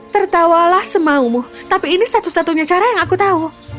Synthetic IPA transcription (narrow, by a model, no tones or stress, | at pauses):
t̪ərt̪awalahsəmaumuht̪apiːnisat̪usat̪uɲat͡ʃaɾajaŋakut̪au